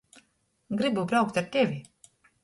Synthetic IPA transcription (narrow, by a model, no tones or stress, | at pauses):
ɡɾibubɾawk̚t̪aɾt̪ʲɛvʲi